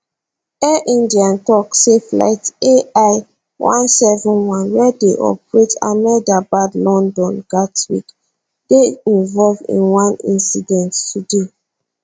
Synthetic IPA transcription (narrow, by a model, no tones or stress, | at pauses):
ɛʔĩndiãntɔksefla̰ɪteaɪ | wʔã̰nsɛvɔ̃nwãnwɛdeʔɔ̰pɹeta̰mɛldabadlɔ̃ndɔ̃nɡ̥atwḭk | d̥eĩnvɔlvḭ̃nwãnḭ̃nsidɛ̃ntːude